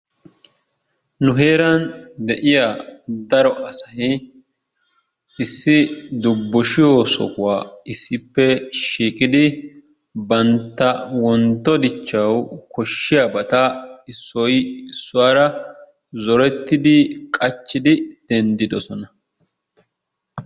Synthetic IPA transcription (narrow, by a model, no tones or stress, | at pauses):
nʊɦe̞ːɾɐnd̪ɛʔɪjad̪ɐɾɔʔɐsɐhɪ | ɪsːɪd̪ʊbːɔʃɪjosɔ̰kʊwaːɪsːɪpːɛʃiːkʼɪd̪ɪ | bɐnt̪ːɐwɔnt̪ːɔd̪ɪt͡ʃːɐwkɔʃːɪjabɐt̪ɐɪsːɔjɪsːʊwaːɾɐ | zɔɾɛt̪ːɪd̪ɪkʼɐt͡ʃːɪd̪ɪd̪̥ɛnd̪ɪd̪ɔsɔnɐ